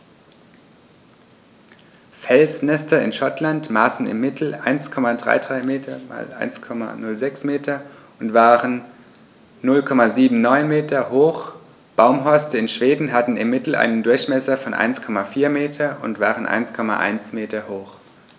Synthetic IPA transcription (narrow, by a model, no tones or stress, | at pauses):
fɛlsnɛstɐɪ̰nʃɔtlantmaːsn̩ɪ̰mːɪtʰl̩ʔa̰ɪnskʰɔmadʁa̰ɪdʁaɪmeːtʰɐma̰ːlʔa̰ɪnskʰɔma̰nʊlzɛksmeːtʰɐ | ʊntv̥aːʁənː | ʊlkʰɔmaziːbm̩nɔʏnmeːtɐhoːx | b̥aʊmɦɔɐstəɪnʃv̥eːdn̩ɦatn̩ɪmːɪtl̩ʔa̰ɪnəndʊɐçmɛsɐfɔnʔa̰ɪnskʰɔmafiːɐmeːtʰɐʊ̰ntv̥aːʁənʔa̰ɪnskʰɔma̰ʔa̰ɪnsmeːtɐhoːx